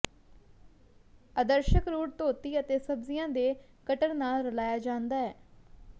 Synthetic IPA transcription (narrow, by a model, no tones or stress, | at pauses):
əd̪əɾʃəkɾuːʈt̪oːt̪iːət̪eːsəbzɪjãːd̪eː | kəʈəɾnaːlɾəlaːjaːd͡ʒãːnd̪aːɛː